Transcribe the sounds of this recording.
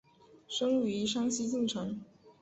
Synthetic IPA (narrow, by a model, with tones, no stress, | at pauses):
ʂɤ˥ŋy˧˥ʂɑ˥ŋɕi˥t͡ɕi˥˩ŋʈ͡ʂʰɤ˧˥ŋ